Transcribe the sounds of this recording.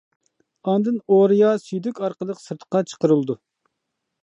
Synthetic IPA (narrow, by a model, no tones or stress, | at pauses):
ɑnd̪ɨnoɾijɑsyjd̪ykʲɑɾqəlˠəqsɨɾt̪ʰə̥qːɑt͡ʃʰə̥qəɾɨlˠd̪u